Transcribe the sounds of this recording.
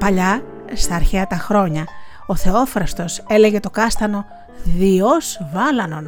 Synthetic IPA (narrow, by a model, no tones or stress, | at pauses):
pɐʎɐ | st̪ɐːɾçeɐt̪ɐxɾo̞ɲɐ | o̞θe̞o̞fɾɐst̪o̞se̞le̞ʝe̞t̪o̞kɐst̪ɐno̞ | ðioz̥vɐlɐno̞n